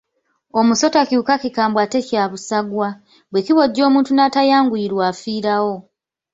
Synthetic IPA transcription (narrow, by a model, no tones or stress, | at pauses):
o̞muso̞takiuːkakikaːmbwate̞cjaːβusaɡwa | βwe̞kiβo̞ɟːo̞ːmuːntunatajaːŋɡuiɾwaːfiːɾawo̞